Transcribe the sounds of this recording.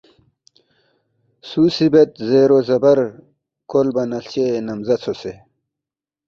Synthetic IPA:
suːsibet̪zeːɾozɐbɐɾ | kolbɐnɐlt͡ɕenɐmzɐt͡sʰose

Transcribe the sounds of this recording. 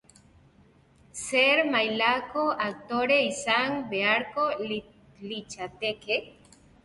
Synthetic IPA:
seɾmajlakoak̚t̪oɾeisaŋbeaɾko | lit͡ʃat̪eke

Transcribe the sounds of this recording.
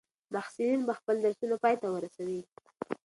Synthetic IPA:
maxsulinbaxpəld̪əɾsunapɑjt̪awəɾasawi

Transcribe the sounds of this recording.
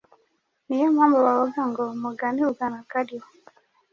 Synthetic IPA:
nijɛmambɔwaɔɡaŋɡɔmɔɡaniuɡanakadiɔ

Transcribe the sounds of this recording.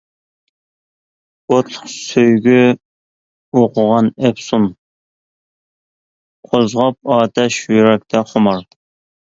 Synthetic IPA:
ot̪ʰːˠʊχsøjɡʲy | oqʰʊʁɑnɛpsun | qʰozʁɑp̚ɑːt̪ʰɛʃjyɾɛk̚ʲt̪ʰɛχomɑɾ

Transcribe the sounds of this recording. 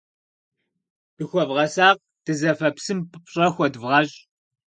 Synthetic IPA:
b̥ɨxʷɔvʁɐsaːq̚ | d̥ɨzɐfɐpsɨmpʰɨpɕʼɐxʷɔdvʁɐɕʼ

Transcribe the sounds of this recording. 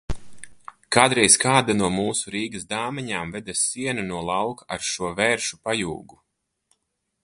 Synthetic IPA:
kaːd̪ɾɛjskaːd̪anuɔmuːsuɾiːɡɐsd̪aːmɛɲaːmvɛd̪asːiɛnanuɔlˠawkaɾʃuɔvɛːɾʃupajṵːɡu

